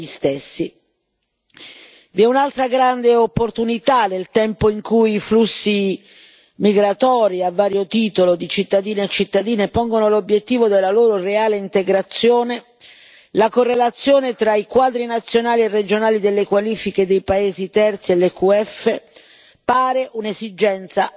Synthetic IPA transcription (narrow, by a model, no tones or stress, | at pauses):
ist̪esːi | viɛunalt̪ɾaɡɾand̪eopːort̪unit̪anelt̪ɛmpoiŋkujiflusːi | miɡɾat̪ɔːɾiavːaːɾjot̪iːt̪olod̪it͡ʃit̪ːad̪iːneat͡ʃːit̪ːad̪iːnepɔŋɡonolobjet̪ːiːvod̪elːaloːɾoreaːleint̪eɡɾat̪sːjoːne | lakorːelat̪sːjoːnet̪ɾaikwaːd̪ɾinat̪sːjonaːlierːed͡ʒonaːlid̪elːekwaliːfiked̪ejpaeːzit̪ɛrt̪sielːekuɛfːe | paːɾeʔunezid͡ʒɛnt̪sa